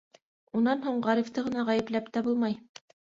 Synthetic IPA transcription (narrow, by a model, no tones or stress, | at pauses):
unːɑnɦuɴʁɑɾift̪ɤʁɤ̆nɑʁæjɘ̆plæpt̪æbulˠmɑj